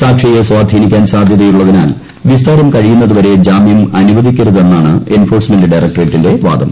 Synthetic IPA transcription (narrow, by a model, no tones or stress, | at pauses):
saːkʂijesʋaːd̪ʱinikʲːaːnsaːd̪ʱjɐðɐjuɭːɐðinaːl | ʋist̪aːɾɐmkɐɻijunːɐðuʋɐɾe̞d͡ʑaːmijɐmɐnuʋɐd̪ʱikʲːiɾɐðe̞nːaːɳɨe̞nfo̞ːrsmendɨɖɐjrɐk̚ʈɐreʈːinde̞ʋa̰ːd̪ʱɐm